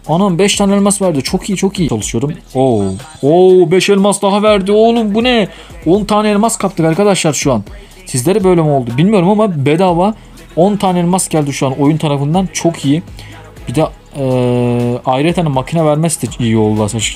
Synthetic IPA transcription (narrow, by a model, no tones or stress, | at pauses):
anambɛʃt̪ʰaːnɛlʲmasvæɾd̪it͡ʃʰo̞kʰijit͡ʃʰo̞kijit͡ʃʰalˠɯʃɯjo̞ɾum | o | obɛʃelʲmasd̪aɦavæɾd̪iolˠumbunɛ | ont̪ʰaːnɛelʲmaskʰapt̪ɯkaɾkad̪aʃlˠaɾʃuan | sizlʲeɾɛbø̞jlʲɛmo̞lˠd̪ubilʲmijo̞ɾumamabed̪ava | o̞nt̪ʰaːnɛlʲmasɟælʲd̪iʃuano̞junt̪ʰaɾafɯnd̪ant͡ʃʰo̞kʰiji | b̥id̪ɛ | ɛ | ajɾɛt̪ʰanɛmacʰinavæɾmɛst̪ʰiijio̞lˠd̪ulˠaɾsat͡ʃ